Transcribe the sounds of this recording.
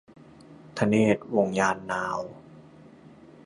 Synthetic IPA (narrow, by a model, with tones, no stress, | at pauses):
t̪ʰa˧neː˥˩t̪̚wo˧ŋjaː˧nːaː˧˥w